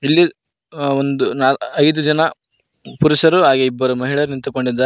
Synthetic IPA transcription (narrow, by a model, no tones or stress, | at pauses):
ilːi | ond̪unaːɐjd̪ud͡ʒɐnɐ | puɾuʃɐɾuɦaːɡeibːɐɾumɐɦiɭɐɾnint̪uko̞ɳɖid̪ːaː